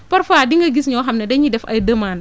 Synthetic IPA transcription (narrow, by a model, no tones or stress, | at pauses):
pɐɾfaːdiŋɡɐɡisɲɔɦamnɛdɐɲidɛfɐ̰jdɐmaːn